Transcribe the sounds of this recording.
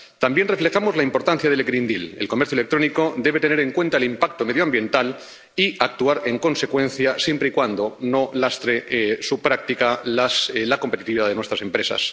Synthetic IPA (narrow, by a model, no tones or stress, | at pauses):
t̪ambje̞nrefle̞xamo̞zlaimpo̞ɾt̪an̟θjaðe̞lɣɾind̪ilelko̞meɾθjoelek̚t̪ɾo̞niko̞d̪e̞β̞e̞t̪ene̞ɾe̞ŋkwe̞nt̪aelimpak̚t̪o̞meðjoambje̞nt̪al | iak̚t̪uaɾe̞ŋko̞nse̞kwẽ̞n̟θjasje̞mpɾeikwand̪o̞no̞last̪ɾesupɾak̚t̪ikalaslako̞mpe̞t̪it̪iβiðaðe̞nwet̪ɾase̞mpɾe̞sa̰s